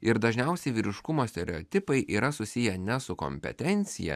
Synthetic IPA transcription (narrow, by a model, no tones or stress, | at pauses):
ɪɾd̪ɐʒʲnʲɛʊsʲɛɪʋʲiːɾʲɪʃkʊmoːsʲt̪ʲɛɾʲɛoːt̪ʲɪpɐɪʔiːɾɐsʊsʲɪjɛnʲɛsʊko̰ːmʲpʲɛ̰t̪ʲɛnʲt̪sʲɪjɛ̰